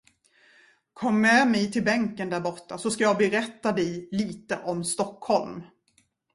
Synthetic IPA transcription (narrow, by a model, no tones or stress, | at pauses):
kʰɔmːɛmɛjt̪ʰɪlbɛŋkənd̪æɾbɔʈːasɔskajɑːɡbɛɾɛt̪ːad̪ɛjliːt̪əʔɔmst̪ɔkhɔlm